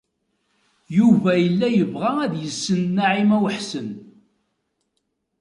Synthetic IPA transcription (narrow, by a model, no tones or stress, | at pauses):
juvæjəlːæjəvʁææðjəsːənːaʕimæwħsən